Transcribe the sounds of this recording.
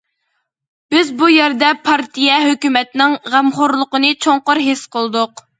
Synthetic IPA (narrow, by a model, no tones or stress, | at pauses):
b̥ɪzbujɛɾd̪ɛpʰɑɾt̪ijɛɦøkʲymɛt̪nɪŋʁɛmχʊɾlˠʊqənɨt͡ʃʰoŋqʊɾɦɪsqəlˠd̪ʊq